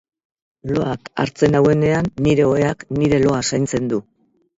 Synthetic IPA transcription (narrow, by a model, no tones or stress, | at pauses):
lo̞aka̰ɾt͡se̞nawe̞ne̞anːiɾe̞oe̞akniɾe̞lo̞asajnt͡se̞nd̪u